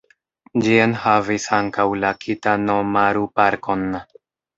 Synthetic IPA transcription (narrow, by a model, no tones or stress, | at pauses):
d͡ʒienhavisaŋkawlakʰitanomaɾupaɾko̞n